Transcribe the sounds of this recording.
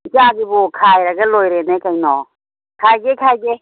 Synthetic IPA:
kaɡibukʰajɾaɡɛlojɾenekajnɔ | kʰajɡekʰajɡe

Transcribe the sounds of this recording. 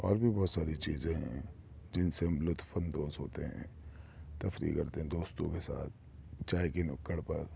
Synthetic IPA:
ɔ̰ːɾbʱibɔːt̪saːɾit͡ʃiːzẽɦɛ̰̃ | d͡ʒɪnsemblʊt̪ʰfʰənd̪oːzɦo̰ːt̪eɦɛ̰̃ːt̪ɐfɾḭːkɐɾt̪eɦɛ̃d̪oːst̪õkesa̰ːt̪̚ʰ | t͡ʃaːekenʊkːəɽpɐɾ

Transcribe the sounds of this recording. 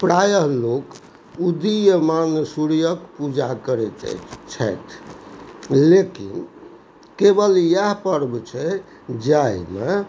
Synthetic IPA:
pɾajəɦlok | ud̪ijəmansuɽijəkpud͡ʒakəɾɛt͡ʃɛ̰t͡ʃʰɛ̰t̪ʰ | lekḭn | kebəljaɦpəɾbt͡ʃʰɛ | d͡ʒaime

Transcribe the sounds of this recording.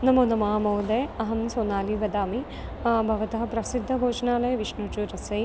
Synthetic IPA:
nɐmoːnɐmaːmɐːd̪ejɐɦɐmsoːnaːliʋɐd̪aːmi | bʱɐʋɐt̪ɐɦɐpɾɐsid̪ʱːɐbʱoːt͡ʃɐnaːlɐjɐʋiʂnut͡ʃuɾɐsɐj

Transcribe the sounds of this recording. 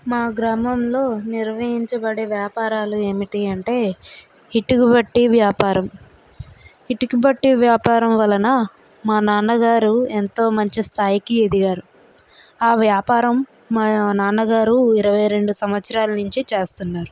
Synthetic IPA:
maːɡɾaːmɐmlo̞ːniɾʋɐɦiɲt͡ʃɐbɐɽeːʋjaːpaːɾaːlue̞ːmiʈiɐɳʈe̞ː | iʈːikibɐʈːiʋjaːpaːɾɐm | iʈikibɐʈːiʋjaːpaːɾɐmʋɐlɐnɐ | maːnaːnːɐɡaːɾuent̪o̞ːmɐɲt͡ʃist̪ʰaːjikied̪iɡaːɾu | aːʋjaːpaːɾɐm | naːnɐɡaːɾuiɾɐʋɐjɾe̞ɳɖusɐmʋɐt̪sɐɾaːlɐnuɲt͡ʃit͡ʃe̞ːst̪unːaːɾu

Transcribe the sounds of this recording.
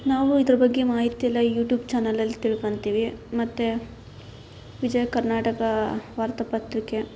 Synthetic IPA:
naːʋuid̪ɾɐbɐɡːemaːɦit̪ijɐlːɐjuːʈjuːbt͡ʃaːnɐlɐlːit̪iɭko̞ɳt̪iːʋimɐt̪ːe | ʋid͡ʒɐjɐkɐɾnaːʈɐkɐʋaːɾt̪ɐpɐt̪ɾike̞

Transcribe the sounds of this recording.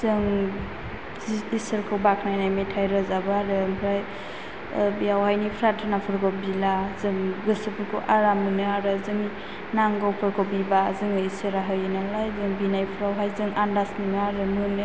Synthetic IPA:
zɯŋ | isɯɾkʰɯwbakʰnajnajmetʰajɾɔzabɯaɾɯmpʰɾaj | biawɦajnipʰɾatʰɯnapʰɯɾkʰɯwbilazɯŋɡɯsɯpʰɯɾkʰɯ̰wʔaɾamɯnɯaɾɯzɯŋ | naŋɡawpʰɯɾkʰɯbibazɯŋɯisɯɾaɦɯjɯnalajzɯŋbinajpʰɯɾawɦajzɯŋandasmɯnɯaɾɯmɯnɯ

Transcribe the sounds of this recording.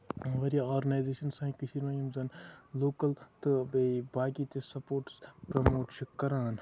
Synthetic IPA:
ʋɐɾjaoːɾɡɐnaːjzeːʃɐnsãːĩkɨʃʰiɾmãjɐmzɐnloːkɐlt̪ɨbebaːɡit̪esɐpoːʈspɾɐmoːʈt͡ʃikːɐɾaːn

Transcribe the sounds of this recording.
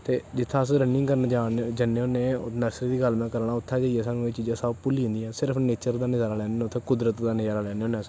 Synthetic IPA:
t̪eːd͡ʒɪt̪ʰːãːs̬ɾənɪ̃ŋkəɾnad͡ʒaːnd͡ʒəneoːnẽːnəsɾid̪iːɡəlmɛ̃ːkəɾɳaːʊt̪ʰːaːd͡ʒəiɛːsaːnũːeːt͡ʃiːd͡ʒãːsəbpuliːʊ̃nd̪ijãːsɪɾəpʰneːt͡ʃəɾd̪aːnɪd͡ʒaːɾaːlɛːnenʊt̪ʰːeːkʊd̪ɾət̪d̪aːnɪd͡ʒaːɾaːlɛːneːõːnẽəs

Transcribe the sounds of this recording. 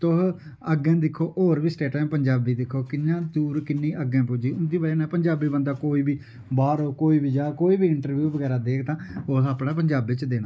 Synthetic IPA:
t̪ʊɦ | əɡɛ̃ːd̪ɪkʰːoːʔoːɾbiːsʈeːʈãːmpəɲd͡ʒaːbiːd̪ɪkʰːoːkɪnːãːd̪uːɾkɪnːĩːʔəɡɛ̃ːpʊd͡ʒiːʊnd̪iːbəleːnɛ̃ːpəɲd͡ʒaːbiːbə̃nd̪aːkoːiːbiː | baːɾoːkoːiːbiːd͡ʒaːkoːiːbiːɪɳʈəɾʋjuːʋəɡɛːɾaːd̪eːkʰt̪ãːoːsaːpnãːpəɲd͡ʒaːbɪt͡ʃd̪eːnãː

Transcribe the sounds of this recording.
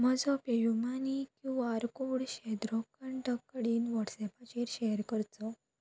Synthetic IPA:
m̤əd͡zɔpejumanikĩʋaaɾkoɽɕɛd̪ɾɔkəɳʈəkːɽiːnʋɔʈsɛpʰat͡ɕeɾɕeɦɾkəɾt͡sɔ

